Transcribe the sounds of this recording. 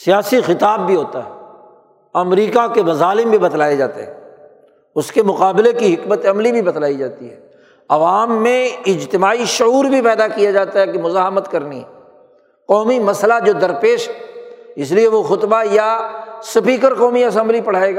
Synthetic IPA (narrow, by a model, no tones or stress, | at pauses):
sijaːsixɪt̪aːbːʱiɦoːt̪aɦɛː | ɐmɾiːkakemɐzaːlɪmbʱibɐt̪laːjad͡ʒaːt̪ḛɦɛː | ʊskemʊqaːbɪlekiɦɪkmət̪ɐmlibʱibɐt̪laːid͡ʒaːt̪iɦɛː | ɐʋaːmːẽɪd͡ʒt̪ɪmaːiʃʊuːɾbʱipɛːd̪akijad͡ʒaːt̪aɦɛkemʊzaːɦmət̪kɐɾniɦɛː | qɔːmimɐslad͡ʒoːd̪ɐɾpeːʃɦɛɪs̬lieʋoxʊt̪bajasɐpiːkəɾqɔːmiɐs̬ə̃mblipɐɽ̤aːeːɡa